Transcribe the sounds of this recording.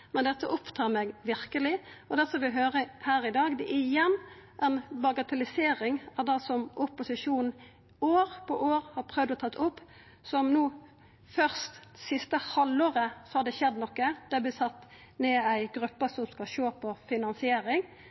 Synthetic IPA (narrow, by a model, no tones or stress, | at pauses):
mɛnd̪ɛt̪ːəʔɔpt̪ʰɑːɾmɛɡʋɪɾkəlɪɔd̪ɛsɔʋɪɦøːɾəhæːɾɪd̪ɑːɡd̪ɛʔæɪjɛnːʔæɪnbɑɡɑt̪ʰɛlɪseːɾɪŋæd̪ɑsɔmʔʊpʊsɪʂuːnn̩ | oːɾpʰɔʔoːɾhɑɾpʰɾœʋd̪ɔt̪ʰɑt̪ʰːʊpː | sɔmnuː | fœʁst̪sɪst̪əhɑloːʁəsɔhɑd̪ɛɕɛd̪ːnɔkːəd̪̥æb̪ɪsɑt̪ː | neːæɪɡɾʉpːəsɔmskɑʃoːpʰɔfɪnɑnsɪeːɾɪŋ